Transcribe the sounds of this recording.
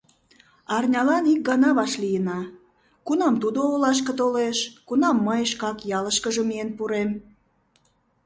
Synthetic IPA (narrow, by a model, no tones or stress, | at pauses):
ɑrnʲɑlɑnik̚ɡɑnɑβɑʃlijənɑ | kunɑmt̪ud̪oolɑʃ̬kə̆t̪oleʃkunɑmːəjʃkɑkjɑləʃkəʒəmienpuɾem